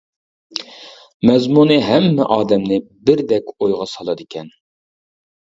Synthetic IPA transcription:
mɛzmunɨɦɛmːɛ̰ʔɑːd̪ɛmnɪbɪɾd̪ɛkʲojʁɑsɑlˠɑd̪ɪkʲʰɛn

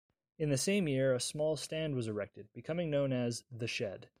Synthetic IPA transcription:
ɨ̃nðɨsẽɪ̃mjɪɹɨsmɔlˠstæ̃nd̚wʌzə˞ɛk̚tɨd̚bɨkʰʌmɪ̃ŋnõʊ̃nɨzðɨʃɛd̥

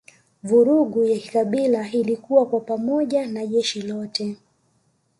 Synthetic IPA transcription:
vuɾuɡujaki̥kaɓilailikuwakwapamɔʄanaʄɛʃilɔtɛ

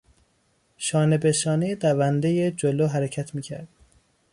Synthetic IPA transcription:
ʃɒːnebeʃɒːned̪ævænd̪ejed͡ʒoloːɦæɾecʰæt̪ʰmiːcʰæ̰ɾd̪̥̚

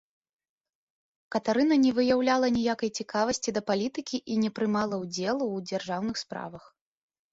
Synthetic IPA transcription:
kɐt̪aɾɨnɐnʲɛvɨjawlʲalˠɐnʲijakɐjt͡sʲikavɐsʲt͡sʲid̪ɐpalʲit̪ɨkʲiʔinʲɛpɾɨmalˠɐwd͡zʲɛlˠuwd͡zʲarʐawnɨxspɾa̰vɐx

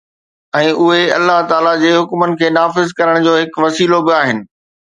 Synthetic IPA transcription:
ɛ̃ːʔʊɦeɐ̰lːaɦt̪aːlad͡ʑeːɦʊkmənɪ̆kʰeːnaːfɪzkɐɾəɽ̃d͡ʑoːɦɪkʋɐsiːlobɪaːɦɪnɪ̆

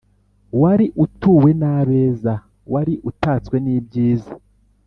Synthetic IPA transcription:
waɾiʔutuːwe̞naːβe̞ːza | waɾiʔutaːt͡swe̞niːbɟiːza

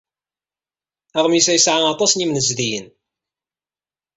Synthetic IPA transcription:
æʁmjəsæjəsʕaɑt̪ˤɑsnimnəzðijə̰n

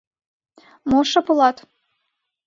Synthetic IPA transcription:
moʃɤ̆pulɑt̪

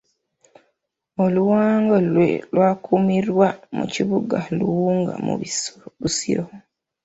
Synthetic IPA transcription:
oluwaːŋɡolwe̞̰lwaːkʰumiɾwamṵciβuɡaluwuːŋɡa̰mṵββusḭɾo

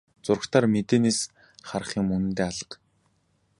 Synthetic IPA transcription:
t͡sʊr̆kt̪ʰaːrmet̪eːneːs | χar̆χiːŋmɵnɘ̆nt̪eːaɮə̆q

